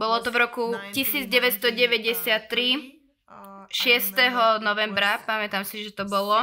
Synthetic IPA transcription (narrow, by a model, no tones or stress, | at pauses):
bɔlɔt̪ɔvɾɔkucisiːd͡zɟɛʋɛt̪st̪ɔɟɛʋɛɟɛsɪat̪ːɾi | ʃɪɛst̪ɛɦɔnɔʋɛmbɾapamɛt̪amsiʒɛt̪ɔbɔlɔ